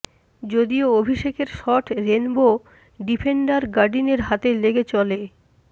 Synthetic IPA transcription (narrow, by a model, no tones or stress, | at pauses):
d͡ʑod̪ioobʱiʃekeɾʃɔʈɾenbo | ɖipʰeɳɖaɾɡaɾɖineɾɦat̪eleɡet͡ɕɔle